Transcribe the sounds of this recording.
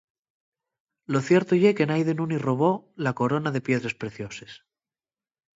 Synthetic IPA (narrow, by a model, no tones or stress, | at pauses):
lo̞θje̞ɾt̪ojeke̞najðenuniro̞βo̞lako̞ɾo̞naðe̞pje̞ðɾe̞spɾe̞θjo̞ses